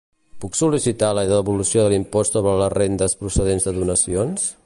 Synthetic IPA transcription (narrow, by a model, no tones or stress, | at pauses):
puksulisit̪aləðəβulusioðəlimpɔst̪soβɾələrend̪əspɾusəðenzðəðunəsions